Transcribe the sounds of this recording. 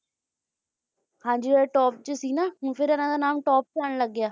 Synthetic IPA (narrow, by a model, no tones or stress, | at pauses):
hãːd͡ʒiːeʈɔːp̚t͡ʃəsiːnaːɦʊ̃pʰɪɾənãːd̪aːnaːmʈɔːp̚t͡ʃaːnləɡːjaː